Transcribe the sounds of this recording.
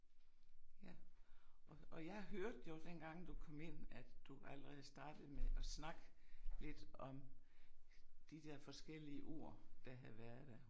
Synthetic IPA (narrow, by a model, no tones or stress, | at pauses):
jæ | ɒ̽jɑ̈ɪɦøɐd̥jo̝d̥enɡ̥ɑ̈ŋ̰d̥ukʰɒ̽m̰e̝n̰æ̥d̥uʔæləʁɛð̩ˠsd̥ɑ̈ːd̥ð̩ˠmeʔɒ̽snɑ̈ɡ̥əle̝d̥ɒ̽m | d̥id̥eɐ̰fɒ̽sɡ̥el̰iəʔo̝̰ɐ̰d̥æɦæʋæɐð̩ˠd̥æɐ